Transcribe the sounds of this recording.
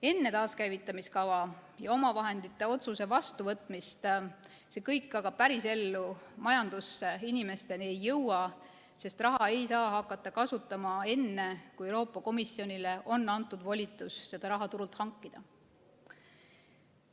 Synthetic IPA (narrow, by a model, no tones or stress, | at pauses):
e̞nːe̞t̪ɑːskæjvit̪ːˑɑmiskɑvɑjɑo̞mɑvɑɦe̞nd̪it̪ːˑe̞o̞t̪suse̞vɑst̪uvɤt̪ːˑmist̪ | se̞kɤjkːɑɡɑb̥̚pæɾise̞lːumɑjɑnd̪̥usːeinimest̪e̞niejːɤwɑ | se̞st̪rɑɦɑe̞jsɑːɦɑkːˑɑt̪ːˑɑkɑsut̪ˑːɑmɑe̞nːe̞kujewɾo̞ːpːˑɑko̞misio̞nʲile̞ʔo̞nːɑnt̪ːˑud̪vo̞lʲit̪ːˑusːe̞d̪̥ɑɾɑɦɑt̪uɾult̪hɑŋkˑːid̪̥ɑ